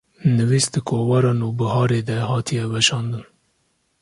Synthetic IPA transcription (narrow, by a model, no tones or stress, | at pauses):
nɨviːsd̪ɨkʰoːwɑɾɑːnuːbɨɦɑːɾeːd̪ɛhɑːt̪ʰijɛwɛʃɑːnd̪ɨn